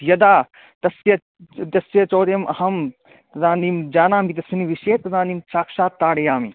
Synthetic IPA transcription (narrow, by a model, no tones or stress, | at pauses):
jɐd̪aː | t̪ɐsijɐ | t̪ɐsʋjɐt͡ʃoːɾjɐmʔɐhɐm | zãːnd̪imd͡ʒaːnãːmit̪ɐsɐniʋiʃeːt̪ɐzãːnd̪imt͡ʃaːkʃaːt̪ːaːɽejaːmi